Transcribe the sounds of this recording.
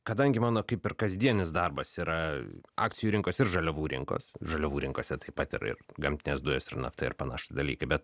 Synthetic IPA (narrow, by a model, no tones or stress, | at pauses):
kɐd̪ɐŋʲɡʲɪmɑːnoːkɐɪpɪrkɐzʲd̪ʲiɛnʲɪsd̪ɐrbɐsiːɾɐɑ̰ːkt̪sʲɪjuːɾʲɪŋkoːsɪɾʒɐlʲɛʋuːɾʲɪ̰ŋko̰ːsʒɐlʲɛʋuːɾʲɪŋkoːsʲɛt̪ɐɪpɐt̪ɪ̰ɾɪ̰rɡɐmʲt̪ʲɪnʲeːsd̪ʊjoːsɪrnɐ̰ft̪ɐɪ̰ɾpɐnɑ̰ːʃt̪ɪd̪ɐlʲḭːkɐɪbʲɛt̪